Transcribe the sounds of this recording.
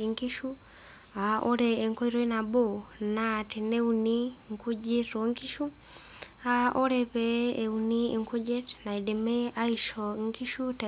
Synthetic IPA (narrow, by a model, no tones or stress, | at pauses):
iŋkiʃu | aoɾɛːŋkɔiɾɔinabonatineuniŋkʰud͡ʒiɾoŋkiʃu | aɔɾɛβɛːunieŋkʰud͡ʒɛtnaidɛmɛaiʃɔŋkiʃuta